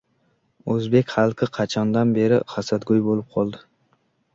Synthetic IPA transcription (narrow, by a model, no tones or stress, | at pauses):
ɵzbe̞kʲχɑlˠqʰɪqʰɑt͡ʃʰɒnd̪anbe̞ɾɪχɑsat̪ɡojbolɪp̚qʰɒlˠd̪ɪ